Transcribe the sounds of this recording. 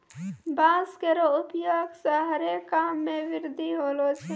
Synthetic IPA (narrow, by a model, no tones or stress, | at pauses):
baːzkeɾoʊpjoːɡsaɦɐɾekːaːmːẽʋɪɾd̪ʱiɦoːloːt͡ʃʰe